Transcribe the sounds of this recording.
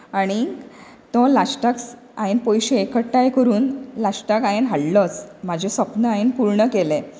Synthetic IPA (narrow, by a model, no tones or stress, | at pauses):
aɽ̃i | t̪ɔ̃lasʈaks | aenpojɕeːkəʈːajkəɾuːnlasʈakaenɦaɽlɔt͡smad͡ʑʱesəpnəaenpuɾɳəkelẽ